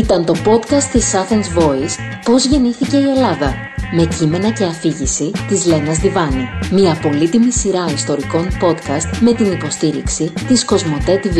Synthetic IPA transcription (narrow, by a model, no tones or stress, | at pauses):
it̪ɐnt̪o̞po̞t̪kɐst̪ːisɐθensvo̞is | po̞zʝe̞niθice̞ie̞lɐðɐ | me̞cime̞nɐce̞ɐfiʝisit̪izle̞nɐzðivɐnimiɐːpo̞lit̪imisiɾɐist̪o̞ɾiko̞npo̞t̪kɐst̪me̞t̪inipo̞st̪iɾḭksit̪isko̞zmo̞t̪e̞t̪iv